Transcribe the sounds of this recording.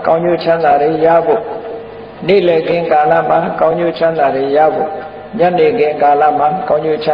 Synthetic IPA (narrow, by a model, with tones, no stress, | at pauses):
kã˦ʊ̃ɲo̰˦˨t͡ɕʰã˦nd̪a˨de˨ja̰˦˨bo̰˦˨ | nḛ˦˨lɛ˨ɡɪ̃˦ŋka˨lä̰˦˨m̥a˨kã˦ʊ̃ɲo̰˦˨t͡ɕʰã˦nd̪a˨de˨ja̰˦˨bo̰˦˨ | ɲa˦˨ne˨ɡɪ̃˦˨ŋka˨la̰˦˨m̥a˨kã˦ʊ̃ɲo̰˦˨t͡ɕʰã˦